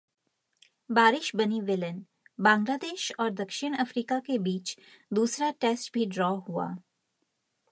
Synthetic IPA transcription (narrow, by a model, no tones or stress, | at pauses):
baːɾɪʃbɐniʋɪlən | bãːŋɡlaːd̪eːʃɔːɾd̪ɐkʃɪɽ̃ɐfɾiːkakebiːt͡ʃd̪uːsɾaʈeːsʈbʱiɖɾɔːɦua̰ː